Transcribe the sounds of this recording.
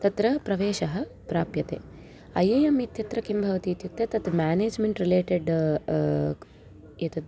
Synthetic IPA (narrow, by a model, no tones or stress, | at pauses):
t̪ɐt̪ɾɐpɾɐʋeːʃɐɦɐ̆ | pɾaːpjɐt̪ḛː | ɐ̰jeːjɐmit̪jɐt̪ɾɐkimbʱɐʋɐt̪iːt̪jut̪ːɐt̪ɐt̪ɐmaːneːd͡ʒmeɳʈɾileːʈeɖ | jet̪ɐt̪